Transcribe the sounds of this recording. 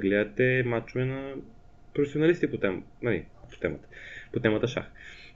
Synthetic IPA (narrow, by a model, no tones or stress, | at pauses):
ɡlɛɐt̪ɛmat͡ʃovɛnɐ | pɾofɛsionɐlist̪ipot̪ɛmnɐlḭpo̥t̪ɛmət̪ə̥pot̪ɛmət̪əʃa̰x